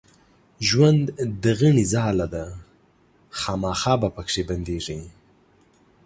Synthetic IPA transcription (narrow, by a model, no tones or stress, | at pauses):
ʒwand̪d̪əɣəɳizɑːlad̪a | xɑːmɑːxɑːbapəkʂeband̪eːʐi